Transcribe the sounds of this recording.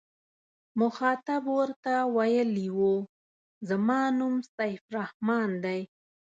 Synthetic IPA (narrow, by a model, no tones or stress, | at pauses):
mʊxɑt̪abwəɾt̪awajəliwu | zamɑnumsajfɾahmɑnd̪aj